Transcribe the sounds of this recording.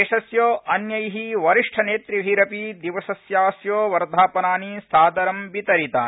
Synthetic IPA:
eːʃɐsjoːʔɐnjɐjɦiʋɐɾiʂʈʰɐneːt̪ɾiʋʱiːɾɐpid̪iʋɐsɐsjaːsjoːʋɐɾd̪ʱaːpɐnaːnisaːd̪ɐɾɐmbit̪ɐɾit̪aː

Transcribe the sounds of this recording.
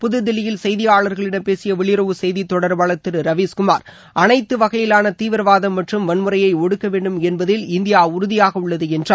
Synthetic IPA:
pʊðɯd̪ɪlɪjɪlsɐjðɪjaːɭɐɾɣɐɭɪɽɐmpeːsɪjɐʋɪɭɪɾɐʋɯsɐɛjðit̪ːɔɽɐɾbaːɭɐt̪ːɪɾɯɾɐʋiːskʊmaːɾ | ʔɐnɐɪt̪ːɯʋɐɣɐjɪlaːnɐt̪iːʋɪɾɐʋaːðɐmːɐʈrɯmʋɐnmɯɾɐjɐɪɔɽɯkːɐʋeːɳɖɯmɛnbɐðɪlɪnd̪ɪjaːʊɾʊðɪjaːɣɐʊɭːɐðɯɛndraː

